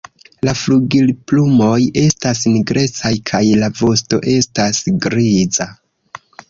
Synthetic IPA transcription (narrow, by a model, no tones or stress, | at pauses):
lafluɡilplumo̞je̞stas̬niɡɾe̞t͡sajkʰajlavo̞sto̞̰ʔe̞stasɡɾiza